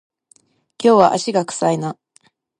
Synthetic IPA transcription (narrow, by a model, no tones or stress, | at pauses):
kʲo̞ːβaʔaɕiɡakɯ̟̥saina